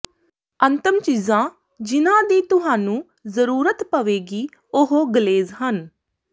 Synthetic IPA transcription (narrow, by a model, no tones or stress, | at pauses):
ənt̪ɪmt͡ʃiːzãː | d͡ʒɪnãːd̪iːt̪ʊɦaːnũː | zəɾuːɾət̪pəʋeːɡiː | ʊɦoːɡəleːzɦən